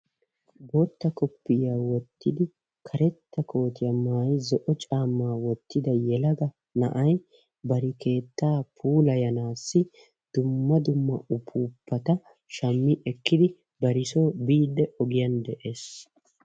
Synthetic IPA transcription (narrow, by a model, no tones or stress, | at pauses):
boːt̪ːɐkɔpːɪjaːwɔt̪ːɪd̪ɪ | kʰɐɾɛt̪ːɐkʰo̞ːt̪ɪjɐmaːjzɔʔɔt͡ʃʼaːmːaːwɔt̪ːɪd̪ɐjɛlɐɡɐ | nɐ̰ʔɐj | bɐɾɪkʰe̞ːt̪ːaːpʰuːlɐjɐnaːsːɪ | d̪̥ʊmːɐd̪ʊmːɐʔʊpʰuːpːɐt̪ɐ | ʃɐmːɪʔɛkːɪd̪ɪ | bɐɾɪsoːbiːd̪ːɛʔɔɡɪjɐnd̪ɛʔe̞ːs